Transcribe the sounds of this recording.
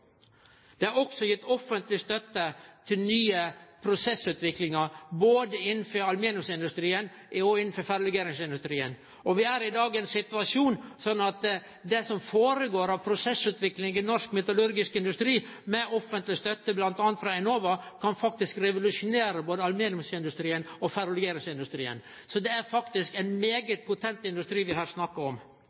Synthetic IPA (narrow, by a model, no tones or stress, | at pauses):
d̪̥ɛæɾɔksɔjɪt̪ːɔfːənt̪lɪst̪œt̪ːət̪ʰɪlnyːəpʰɾʊsɛsʉːt̪ʋɪklɪŋɑɾboːd̪əɪnːən̩fɔɾɑlmeːnʊsɪnd̪ʉst̪ɾiːən | ɔɪnn̩fɔɾfæɾlɛɡeːɾɪŋsɪnd̪ʉst̪ɾiːən | ɔʋɪæɾɪd̪ɑːɡɛnsɪt̪ʉɑʂuːnsɔnːɑt̪ | d̪ɛsɔmfoːɾəɡoːɾɑʋpʰɾʊsɛsʉːt̪ʋɪklɪŋɡɪnɔʂkmɛt̪ʊlʉɾɡɪskɪnd̪ʉst̪ɾiː | mɛʔɔfːənt̪lɪst̪œt̪ːəblɑnt̪ɑːnt̪fɾɑɛnoːʋɑkʰɑnfɑkt̪ɪskɾɛʋʊlʉʂʊneːɾəboːd̪əɑlmeːnʊsɪnd̪ʉst̪ɾiːənɔfæɾʊlʉɡeːɾɪŋsɪnd̪ʉst̪ɾḭːə̰n | sɔd̪ɛæɾfɑkt̪ɪskɛɪnmeːɡət̪̚pʰʊt̪ʰɛnt̪ɪnd̪ʉst̪ɾiːʋɪhæːɾsnɑkːəɔm